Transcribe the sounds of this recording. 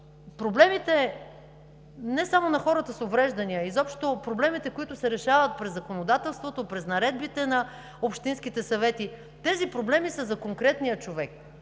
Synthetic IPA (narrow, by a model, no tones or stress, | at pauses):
pɾoblɛmit̪ɛ | nɛsamonɐxɔɾət̪əsovɾɛʒd̪ɐniəizɔpʃt̪opɾoblɛmit̪ɛkoit̪ʊsɛɾɛʃavət̪̚pɾɛzɐkonod̪at̪ɛlˠst̪vot̪opɾɛznɐɾɛd̪̚bit̪ɛnɐ | opʃt̪inskit̪ɛsɐvɛt̪i | t̪ɛzipɾoblɛmisəzɐkoŋkɾɛt̪nijət͡ʃovɛk̚